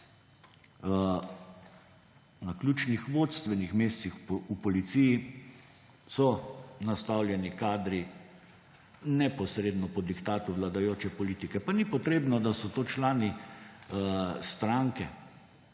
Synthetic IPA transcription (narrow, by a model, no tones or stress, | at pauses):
naklʲjuːt͡ʃnixʋoːt̪st̪ʋɛnixmeːst̪sixupɔlit̪siji | sɔnast̪awljɛnikaːd̪ɾi | nɛpɔsɾed̪nɔpɔd̪ikt̪aːt̪uʋlad̪ajoːt͡ʃɛpɔliːt̪ikɛpanipɔt̪ɾeːbnɔd̪asɔt̪oːt͡ʃlaːni | st̪ɾaŋkɛ